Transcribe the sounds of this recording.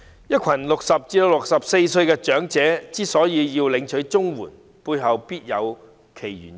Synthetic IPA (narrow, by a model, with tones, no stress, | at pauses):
jɐ˥t̚kʰɐ˨˩nlʊ˨k̚sɐ˨p̚t͡siː˧do˧wlʊ˨k̚sɐ˨p̚se˧jsɵ˧ɥkɛː˧t͡ʃœː˨˥ŋt͡sɛː˨˥t͡siː˥sɔː˨˥jiː˨˧jiː˧wlɪ˨˧ŋt͡ʃʰɵ˨˥ɥt͡sʊ˥ŋwuː˨˩n | puː˧jɦɐ˨wpiː˥t̚jɐ˨˧w | kʰe˨˩jjyː˨˩n